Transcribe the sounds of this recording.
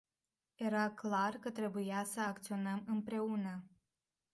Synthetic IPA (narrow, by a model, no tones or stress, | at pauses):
je̞ɾaklarkət̪ɾe̞bujasəakt̪sio̞nəmɨmpɾe̞unə